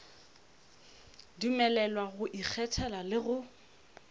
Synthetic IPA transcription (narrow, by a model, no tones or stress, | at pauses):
dumɛlɛlwaɣʊʔik͡xʰɛtʰɛlalɪɣʊ